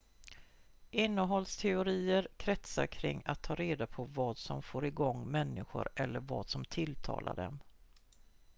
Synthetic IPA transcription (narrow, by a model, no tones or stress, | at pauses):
ʔɪnːəɦɔlst̪ʰɛʊɾiːəɾkʰɾɛt̪sa̰ɾkʰɾɪ̰ŋːat̪ʰːɑːɾeːd̪apʰɔvɑːd̪sɔmfoːɾɪɡɔŋːmɛnːɪɧʊ̰ɾɛlːəɾvɑːd̪sɔmt̪ʰɪlt̪ʰɑ̰ːla̰ɖɛ̰m